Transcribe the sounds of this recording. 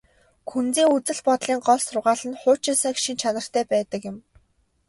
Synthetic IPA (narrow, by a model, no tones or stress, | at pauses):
kʰunt͡siːŋut͡sɘ̆ɮpɔt̪ɮiːŋɢɔɮsʊrʁaːɮɘ̆nχʊːt͡ɕʰisaːkʃint͡ɕʰanə̆r̥t̪ʰæːpæːt̪ə̆kjɪ̆m